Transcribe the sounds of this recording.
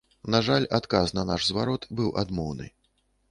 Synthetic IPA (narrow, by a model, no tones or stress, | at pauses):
naʐalʲat̪kasnɐnaʐzvaɾɔt̪bɨwʔa̰d̪mɔwnɨ̰